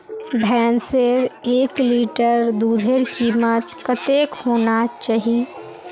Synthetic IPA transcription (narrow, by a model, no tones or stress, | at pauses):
bʱɛːnseɾeːkliːʈəɾd̪uːd̪ʱeɾkiːmət̪kət̪eːkhoːnat͡ʃaːɦie